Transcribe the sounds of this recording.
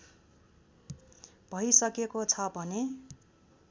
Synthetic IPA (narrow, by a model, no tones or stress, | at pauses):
b̥ʱʌisʌkekot͡sʰʌbʱʌne